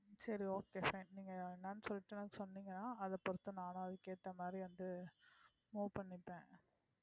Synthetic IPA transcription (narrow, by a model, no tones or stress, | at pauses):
sɐɾioːkeːfɐɪnniːŋɡɐnːaːnːsɔlːɪʈːɯnɐkːɯsɔnːiːŋɡɐnːãːɐðɐpːɔɾɯt̪ːɯ̃naːnɐ̃ɐðɯkeːt̪ːɐmaːd̪ɾiʋɐnd̪ɯ | muːʋpɐɳːɪpːẽː